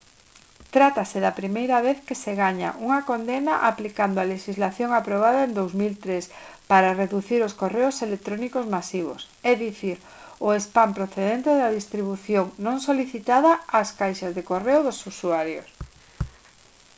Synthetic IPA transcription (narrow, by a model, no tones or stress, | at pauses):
t̪ɾat̪aseðɐpɾimejɾɐβeθkeseɣaɲa̰ʔuŋɐkond̪enaʔaplikand̪oaleʃizlaθjoŋapɾoβ̞aðaend̪owzmilt̪ɾespaɾareðuθiɾoskoreʊselek̚t̪ɾonikozmasiβ̞o̰s | ɛðiθiɾ | ʊespampɾoθeðent̪eðaðist̪ɾiβ̞uθjoŋnõŋsoliθit̪aðɐaskajʃazðekoreʊðosusuaɾjo̰s